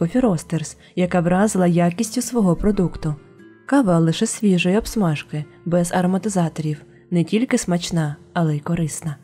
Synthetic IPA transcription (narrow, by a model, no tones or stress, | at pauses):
ɔfʲiɾɔst̪ers | jɐkɑʋɾɑzɪlˠɐjakʲisʲtʲʊsʋɔɦɔpɾɔd̪ukt̪ʊ | kɑʋɑlˠɪʃɛsʲʋʲiʒɔjɛɔbsmɑʒkɪ | bɛzɐɾɔmɐt̪ɪzɑt̪ɔɾʲiw | nɛtʲilʲkɪsmɐt͡ʃnɑ | ɐlˠɛikɔɾɪsnɐ